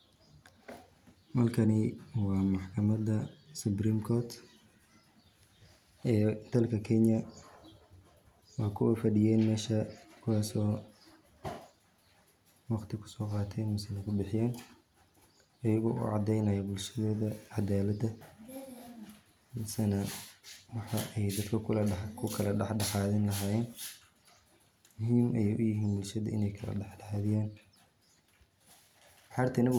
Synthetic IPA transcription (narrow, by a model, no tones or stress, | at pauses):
mɐrkʰɐnɪwɑːmɑħkʰɐmɐd̪ɐsʊbrimkʰɔːt̪ | ʔɛːd̪̥ɐlkʰɐkʰɛnjɐ | wɑːkʰʊɔfɐɖɪjɛːnmɛːʃɐkʰʊwɑːsɔː | wɑqt̪ʰɪkʰʊ̥sɔːqɑːt̪ʰɛnmʊsɛlɐkʰʊbɪħɪjaːn | ʔɐjɐɣɔ̰ːʔʊ̰ʕɑd̪ɛjnɐjɔbʊlʃɐðɔːðɐʕɑd̪aːlɐd̪ɐ | mɐsɐnɐwɑħɑ̰ʔɛjd̪ɐd̪kʰɐkʰʊlkʰʊkʰɐlɐɖɑħɖɑħɑːðɪnlɐɦaːjɛːn | mʊɦiːmʔɛjɛʔʊjɪɦiːnbʊlʃɐðɐ̰ɪ̰nɛjkʰɐlɐ̰ɖɑħɖɑħɑːðɪjaːn | ħɑːrt̪ʰɪnɐ